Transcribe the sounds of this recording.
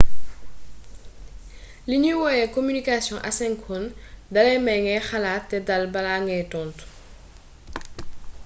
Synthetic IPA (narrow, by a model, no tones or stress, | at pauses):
liɲiwɔjɛkomynikasjɔ̃ʔɐ̰sɛŋkʰundɐlɛmɐŋɛxɐlaːtːɛdɐlbɐlaːŋɡɛjtɔntu̥